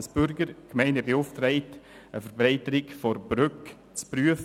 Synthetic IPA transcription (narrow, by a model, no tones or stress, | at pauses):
sb̥ʏɾɡəɾkmɛɪnəbeʊftɾɛɪt | əfəɾbɾɛɪtəɾɪkfɔɾb̥ɾʏk | t͡spryəf